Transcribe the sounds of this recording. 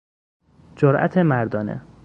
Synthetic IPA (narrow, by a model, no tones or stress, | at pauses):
d͡ʒoɾʔæ̰t̪ʰemæɾd̪ɒːnḛ